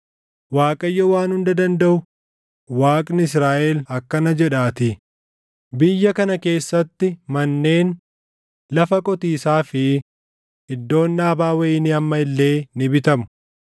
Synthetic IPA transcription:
waːkʼɐjːɔwaːnhʊnd̪ɐd̪ɐnd̪ɐʔʊ | waːkʼnɪɪs̬ɾaːʔɛlɐkːɐnɐd͡ʒɛᶑaːt̪ɪ | bɪjːɐkɐnɐke̞ːsːɐt̪ːɪmɐnːe̞ːn | lɐfɐkʼɔt̪iːsaːfɪ | ɪd̪ːo̞ːnːaːbaːwɐɪnɪɐmːɐɪlːe̞ːnɪbɪt̪ɐmʊ̥

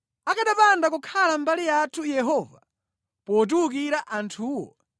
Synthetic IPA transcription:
akaɗapandak̬ukʰalambalijatʰujɛɦɔːva̰ | pɔt̬uuk̬iɾaʔantʰuːwɔ̰

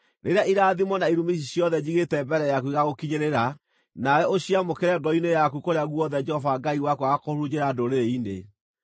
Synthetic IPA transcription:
ɾeɾeaʔiɾaːðimɔnaiɾumiʃ̬iɕjɔðɛd͡ʑiɣetɛbɛɾɛjakuiɣaɣokiɲeɾeɾa | najɛoɕiamokeɾɛɡɔinejakukoɾeaɣwɔðɛd͡ʒɛhɔvaɡaiwakuaɣakoɾud͡ʑeɾadoɾeɾeinḛ

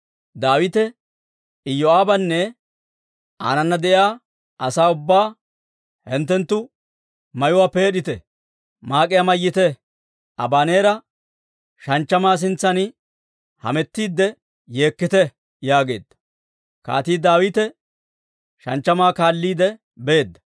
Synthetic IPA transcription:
d̪aːwɪt̪ɛ | ɪjːɔaːbɐnːɛ | a̰ːnɐnːɐd̪ɛʔjaː | ʔɐsaːʊbːaː | hɪnt̪ːɛnt̪ːʊ | mɐjʊwaːpe̞ːɗɪt̪ɛ | maːkʼɪjamɐjːɪt̪ɛ | ʔɐ̰baːneːɾɐ | ʃɐnt͡ʃːɐmaːs̬ɪnt͡sːɐnɪ | hɐ̰mɛt̪ːiːd̪ːɛ | je̞ːkːɪt̪ɛ | jaːɡeːd̪ːɐ̥ | ka̰ːt̪iːd̪aːwit̪ɛ | ʃɐ̰nt͡ʃːɐmaːkaːlːiːd̪ɛ | be̞ːd̪ːɐ̥

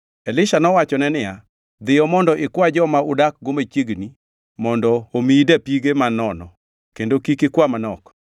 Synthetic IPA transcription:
elɪʃanɔwat͡ʃɔnɛnɪja | d̪ɪjɔmɔndɔʔɪkwad͡ʒɔmaʊdak̚ɡomat͡ʃeɡni | mɔndɔomidapiɡemanɔnɔ̰ | kendokikɪkwamanɔk

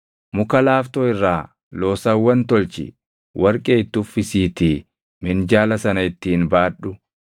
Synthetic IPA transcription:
mʊkɐlaːft̪oːɪrːaː | lo̞ːsɐwːɐnt̪ɔlt͡ʃɪ̰ | wʔɐɾkʼeːɪt̪ːʊfːɪsiːt̪i | mɪnd͡ʒaːlɐsɐnɐɪt̪ːiːnbaːᶑʊ

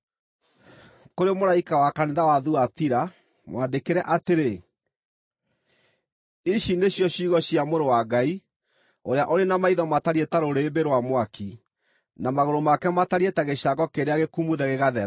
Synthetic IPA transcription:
koɾemoɾaikawakaneðawaðuatiɾa | mwadekeɾɛʔateɾe | iɕineɕjɔɕiːɣɔɕiamoɾowaɡai | oɾeaʔoɾenamaiðɔmataɾietaɾoɾeːbeɾwamwaki | namaɣoɾomakɛmataɾietɛɣeɕaɡɔkeɾeaɣekumuðɛɣeɣaðɛɾ

